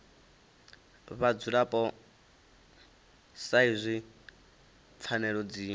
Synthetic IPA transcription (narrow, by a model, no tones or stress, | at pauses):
βad͡zuɺapʼɔ | saizʷi | p̪fʰanɛɺɔd͡ziː